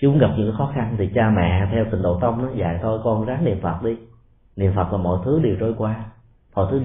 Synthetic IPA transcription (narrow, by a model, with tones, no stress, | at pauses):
t͡ɕːmu˨˦ŋɣa˨˩p̚ɲɨ̰˧˥ŋka˨˦xɔ˨˦˥xa˧nt̪ʰi˨˩t͡ɕaː˧mɛ̰˧˨t̪ʰɛ˧wt̪ï˨˩ŋ̟ɗo̰˧˨t̪ə˧wŋ͡mnɔ˨˦za̰ː˧˨jt̪ʰo˧jkɔ˧nzaː˨˦ŋnḭ˧˨ənfə˨˩t̚ɗi˧ | nḭ˧˨ənfə˨˩t̚laː˨˩mɔ̰˧˨jt̪ʰɨ˨˦ɗi˨˩wt͡ɕo˧jkwaː˧ | mɔ̰˧˨t̪ɨ˨˦